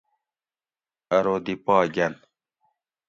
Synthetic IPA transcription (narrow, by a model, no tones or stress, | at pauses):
ɐɾoːd̪ipaːɡɐn